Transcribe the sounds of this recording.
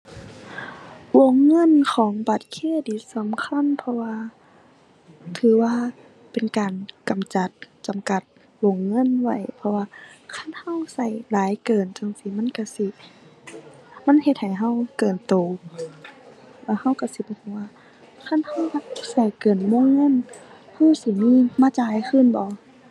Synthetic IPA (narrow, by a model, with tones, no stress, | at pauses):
wo˧˩ŋːɤ˧˥˨nkʰɔː˨˦ŋba˧˩t̪̚kʰi˧˥˨diː˨˦sa˨˦mkʰa˧˥˨npʰɔ˧waː˧ | t̪ʰɯː˨˦waː˧ | pe˨nkaː˨˩nka˨˩mt͡ɕa˧˦t̪̚t͡ɕa˨mka˧˦t̪̚ | wo˧˩˨ŋːɤ˧˥˨nwa˧˩jpʰɔ˧waː˧kʰa˧˥˨nha˧˥˨wsa˧˩jlaː˨˦jkɤː˨˩nt͡ɕa˧˨ŋsi˧˦ma˧˥˨nka˧˩si˧˦ | ma˧˥˨nhe˧t̪̚ha˨˩jɦa˧˥˨wkɤː˨˩nt̪oː˨˩ | la˧˩ha˧˥˩wka˧˩si˨˦bɔː˧˦t̪ʰɯ˧˩waː˧ | kʰa˧˥˨nha˧˥˩wha˧˩sa˧˩jkɤː˨˩nmo˧˥˨ŋːɤ˧˥˨n | ha˧˩wsi˧miː˧˥˨maː˧˨t͡ɕaː˧˦jkʰɯː˧˥˨nbɔ˧˦